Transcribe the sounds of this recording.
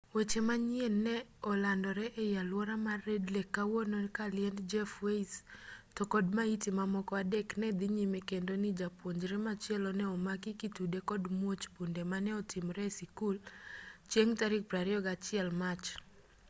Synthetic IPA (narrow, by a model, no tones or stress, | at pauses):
wet͡ʃemaɲɪenːɛɔlandɔɾɛʔejalwɔɾamaredlekːawonokalɪɛndd͡ʒɛfweistɔkɔdmaitimamɔkɔadɛknɛd̪iɲimekendonɪd͡ʒapwoɲd͡ʒɾɛmat͡ʃɪɛlɔnɛɔmakikitudekɔdmwot͡ʃpundemanɛɔtɪmɾɛsikult͡ʃjeŋtaɾɪk̚pɾaɾiɔɡat͡ʃɪɛlmat͡ʃ